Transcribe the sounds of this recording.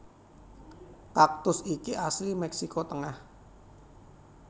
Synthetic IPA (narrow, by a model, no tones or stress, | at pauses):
kak̚t̪ʊsikiʔaslimɛksikɔt̪əŋah